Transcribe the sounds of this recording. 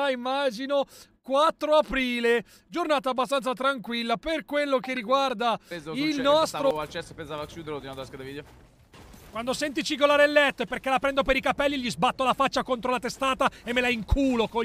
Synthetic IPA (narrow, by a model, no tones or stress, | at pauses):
aimːaːd͡ʒinokwat̪ːɾoapɾiːle | d͡ʒornaːt̪aːbːast̪ant̪sat̪ɾaŋkwilːaperkwelːokerːiɡward̪ailnɔst̪ɾoalt͡ʃɛsepːensavakʲjud̪eɾot̪iad̪skad̪evid̪eo | kwand̪osɛnt̪it͡ʃiɡolaːɾelːɛt̪ːoepːerkelapɾɛnd̪opeɾikapɛlːiʎizbat̪ːolafat͡ʃːakont̪ɾolat̪est̪aːt̪aemːelaiŋkʰuːloko